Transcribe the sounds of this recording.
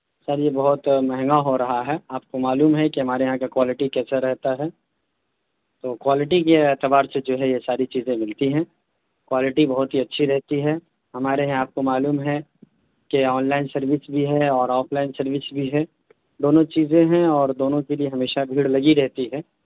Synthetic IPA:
səɾjebɐɦʊt̪mɛɦŋɡaɦoɾɐɦaɦɛaːp̚komaːluːmɦɛkiɦɐmaːɾeɦãkakwaːlɪʈikɛːsaɾɛɦt̪aɦɛː | t̪oːkwaːlɪʈikeɛːt̪ɪbaːɾsed͡ʒoːɦɛjesaːɾit͡ʃiːzẽmɪlt̪iɦɛ̃ː | kwaːlɪʈibɐɦʊt̪ɦiɐtːʃʰiɾɛɦt̪iɦɛː | ɦɐmaːɾeɦãaːp̚komaːluːmɦɛ̃ | keɔːnlaːɪnsɐɾʋɪsbʱiɦɛɔːɾɔːpʰlaːɪnsɐɾʋɪsbʱiɦɛː | d̪oːnõt͡ʃiːzẽɦɛ̃ɔːɾd̪oːnõkelieɦɐmeːʃabʱiːɽlɐɡiɾɛɦt̪iɦɛ̃ː

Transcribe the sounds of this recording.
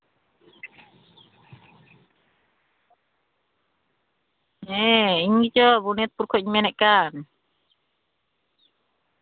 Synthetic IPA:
ɛiɲɡit͡ʃɔbuniat̪̚puɾkʰɔʔiɲmɛnɛʔkan

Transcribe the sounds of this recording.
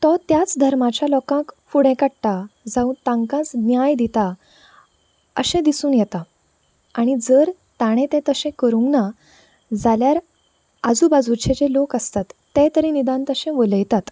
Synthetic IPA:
t̪ɔt̪jat͡sd̪ʱəɾmat͡ɕjalɔkãkfuɽẽkəɽʈ̪ad͡zauːnt̪ãŋkãt͡sɡnjajd̪it̪a | əɕẽd̪isuːnjɛt̪a | aɽ̃id͡zəɾ | t̪aɽ̃ẽt̪ɛ̃t̪əɕẽkəɾũŋna | d͡zaljaɾ | ad͡zuːbad͡zuɾt͡ɕʰet͡ɕelokəst̪at̪ːẽt̪əɾĩnid̪ãnt̪əɕẽʋələjt̪at̪

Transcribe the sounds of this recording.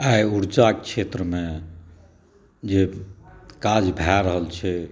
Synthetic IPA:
ajuɾd͡ʒakt͡ʃʰet̪ɾəmẽ | d͡ʒe | kad͡ʒbʱaɾəɦəlt͡ʃʰɛ

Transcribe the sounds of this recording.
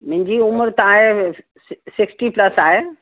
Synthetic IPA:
mɪ̃ɦɪ̃ɲd͡ʑiʊməɾt̪ɐʋãɦẽ | sɪksʈiplɐsaːɦe

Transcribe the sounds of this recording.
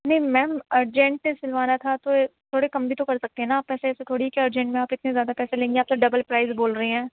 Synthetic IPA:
nɐɦĩmɛ̃ːməɾd͡ʒɛ̃ɳʈːesɪlʋaːnat̪ʰat̪ot̪ʰoːɽekɐmbʱit̪okɐɾsɐk̚t̪eɦɛ̃naaːpːɛːseɛːset̪ʰoːɽiikeəɾd͡ʒɛ̃ɳʈmẽaːpɪt̪nezjaːd̪apɛːselẽːŋɡeaːp̚t̪aɖɐbəlpɾaːɪzboːlɾɐɦeɦɛ̃ː

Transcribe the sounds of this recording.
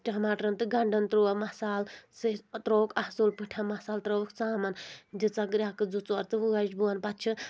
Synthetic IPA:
ʈʲamaːʈɾɐnt̪ɨɡɐɳɖɐnt̪ɾuɐmɐsaːlsɨt̪ɾoːkɐhsulpɨʈʰɐmɐsaːlt̪ɾoːkt͡saːmɐndit͡saɡɾʲakɨd͡zut͡sɐɾt̪ɨʋuɡɐd͡ʒbuɐnpɐt̪t͡ʃʰi

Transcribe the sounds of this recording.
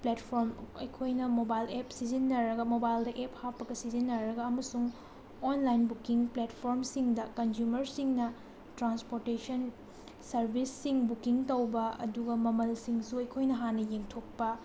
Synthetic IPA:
pletpʰoɾmɐjkʰojnɐmobajlepsizinːɐɾɐɡɐmobajldɐʔephapːɐɡɐsizinːɐɾɐɡɐɐmɐsuŋ | onlajnbukiŋpletpʰoɾmsiŋdɐkɐnzumɐɾsiŋnɐ | tɾanspoɾtesɐn | sɐɾbʱisːiŋbukiŋtɐwbɐɐ̰duɡɐmɐmɐlsiŋsuɐjkʰojnɐɦanːɐjemtʰok̚pɐ

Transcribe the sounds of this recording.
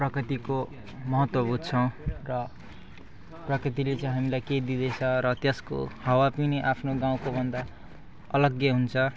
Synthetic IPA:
prʌkrit̪iko | mʌɦʌt̪wʌbut̪̚t͡sʰʌw̃rʌ | prʌkrit̪̬ilet͡sãĩj̃ɦamilajkejd̪id̪et͡sʰʌɾʌt̪jʌsko̰hʌwapineʔapʰnoɡaw̃kobʱʌnd̪a | ʌlʌɡjʌɦunt͡sʰʌ

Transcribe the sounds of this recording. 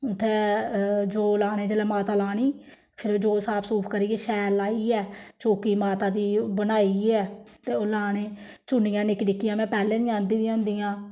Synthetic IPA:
t̪eːd͡ʒoːlaːnẽːd͡ʒəlɛːmaːt̪aːlaːniː | pʰɪɾoːd͡ʒoːsaːpʰsuːpʰkəɾiːeːʃɛːlaːiːɛːt͡ʃoːkiːmaːt̪ãːd̪iːbənaːiːɛːt̪eːoːlaːneː | t͡ʃʊɳijãːnɪknɪkːijãːmɛ̃ːpɛːlẽːd̪iãːnd̪iːd̪ĩãːnd̪iːãː

